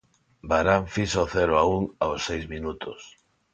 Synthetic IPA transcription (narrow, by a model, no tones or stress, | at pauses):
baɾaɱfisaoθɛɾoauŋaosːejzminut̪ʊs